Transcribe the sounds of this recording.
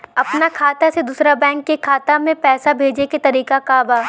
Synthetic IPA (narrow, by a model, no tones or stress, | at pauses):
ɐpnakʰaːt̪ased̪uːsɾabɛ̃ːŋkːekʰaːt̪amẽpɛːsabʱeːd͡ʒeket̪ɐɾiːkakaːbaː